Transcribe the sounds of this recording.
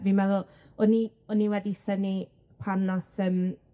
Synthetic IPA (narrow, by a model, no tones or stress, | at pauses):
vimɛðʊ | ɔni | ɔniwɛdisəni | pʰanaθəm